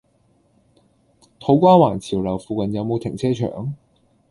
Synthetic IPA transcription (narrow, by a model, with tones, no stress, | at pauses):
t̪ʰo˨˥wkʷaː˥waː˨˩nt͡sʰiː˨˩wlɐ˨˩wfuː˨˧kɐ˨njɐ˨˧wmo˨˧wt̪ʰɪ˨˩ŋt͡sʰɛː˥t͡ʃʰœ̰ː˨˩˥ŋ